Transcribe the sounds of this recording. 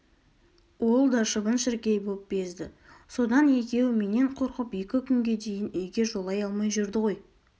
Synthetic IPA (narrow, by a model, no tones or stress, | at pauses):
wo̞lˠd̪ɑʃəbənʃɪɾkʲejbolˠəp̚be̞zd̪ɪ | so̞d̪ɑne̞kʲe̞wɪme̞ne̞ɴqʰo̞ɾqəpje̞kʲɪkʲʰʏŋɡʲe̞d̪e̞jɪneɡʲe̞ʒo̞lˠɑjɑlˠmɑjʒʊɾd̪ɪʁo̞j